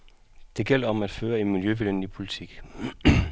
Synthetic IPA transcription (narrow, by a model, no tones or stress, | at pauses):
d̥e̝ɡ̥el̰ɐɒ̽mæd̥føːɐe̝nmiljøʋilenlipʰo̝lit͡sʰiɡ̥